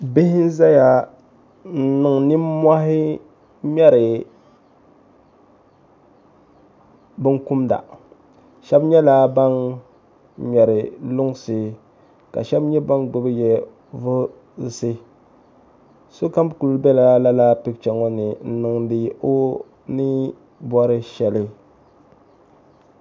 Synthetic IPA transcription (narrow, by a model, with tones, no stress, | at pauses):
be˦hɪ˦n˦za˦ja˨ | n̩˦nɨ˨ŋnɪ˦ma˦ɦɪ˦ | mʲɛ˦ɾɪ˨ | bɨ˦ŋku˦mda̰˨ | ʃɛ˦bɲɛ˦laː˦ba˦n | ɲɛ˨ɾɪ˨lʊ˦ŋsɨ˨ | ka̰˨ʃɛ˦bɲɛ˦ba˦ŋɡʊ˦bɨ˦jɛ˦ | vʊ˦˨ | sɨ˦ | so˦ka˦m˦˨ku˨lbɛ˦la˦la˦la˦pɪ˦kt͡ʃɛ˨ŋɔ˦nɪ˨n̩˦nɨ˦ŋdɨ˦ʔo˦ | nɨ˦ | bɔ˦ɾɪ˦ʃɛ˨lɪ˦